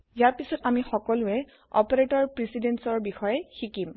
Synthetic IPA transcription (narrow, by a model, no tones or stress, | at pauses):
jaɹpisɔtamixɔkɔlʊɛ | ɔ̰pɔɹetɔɹpɹisidensɔɹbixɔjɛxikim